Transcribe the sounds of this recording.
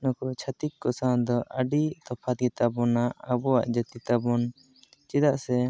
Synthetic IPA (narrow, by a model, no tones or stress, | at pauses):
nɔkɔt͡ʃʰat̪ikkɔsand̪ɔʔəɖit̪ɔpʰat̪̚ɡɛt̪abɔnaːbɔwaʔd͡ʒət̪it̪abɔn | t͡ʃɛd̪aʔsɛ